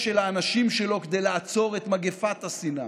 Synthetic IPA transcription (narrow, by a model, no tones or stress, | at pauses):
ʃelaːnaʃimʃe̞lo̞ked̪ejlaat͡so̞ʁe̞t̪maɡefat̪hasina̰